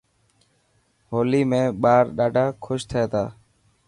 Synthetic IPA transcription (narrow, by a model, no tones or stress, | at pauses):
ɦoːliːmẽːɓaːɾɗaːɖʱaːkʰʊʃt̪ʰəeːt̪ʰaː